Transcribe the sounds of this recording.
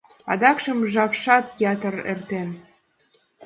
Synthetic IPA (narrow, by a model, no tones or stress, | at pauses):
ɑ̰d̪ɑkʃə̆mʒɑpʃɑt̪jɑt̪ərḛrt̪en